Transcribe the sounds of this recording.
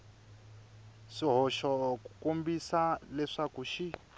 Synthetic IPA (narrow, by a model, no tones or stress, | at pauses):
ʂiɦɔʃɔkukombisalɛʂakuʃi